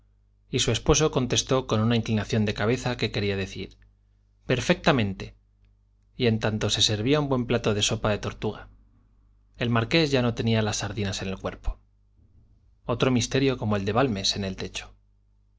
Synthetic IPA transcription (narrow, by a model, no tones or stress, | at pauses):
isue̞spo̞so̞ko̞nt̪e̞st̪o̞ko̞nunaiŋklinaθjo̞nd̪e̞kaβ̞e̞θake̞ke̞ɾiaðe̞θḭɾ | pe̞ɾfe̞k̚t̪amẽ̞nt̪e̞ | ie̞nt̪ant̪o̞se̞se̞ɾβ̞iaumbwe̞mplat̪o̞ðe̞so̞paðe̞t̪o̞ɾt̪uɣ̞a | e̞lmaɾke̞zʝano̞t̪e̞nialasːaɾðinase̞ne̞lkwe̞ɾpo̥ | o̞t̪ɾo̞mist̪e̞ɾjo̞ko̞mo̞e̞ld̪e̞βalme̞se̞ne̞lt̪e̞t͡ʃo̥